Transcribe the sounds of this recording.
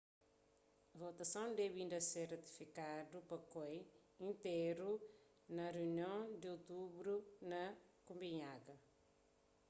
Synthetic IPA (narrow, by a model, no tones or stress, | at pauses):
vot̪ɐsɐ̃w̃d̪ɛvĩnd̪ɐseɾrɐt̪i̥fikad̪upɐkoj | ĩnt̪eɾu | nɐreuniɐ̃w̃d̪ot̪ubɾunɐkũmbiɲaɡɐ